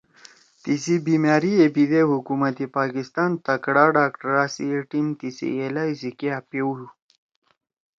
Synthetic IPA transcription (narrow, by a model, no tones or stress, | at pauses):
t̪isibimjaːɾiebid̪ehukumat̪ipaːkist̪ɑnt̪ɐkɽaːɖaːkʈaɾaːsḭeʈimt̪isḭelajsikeapeju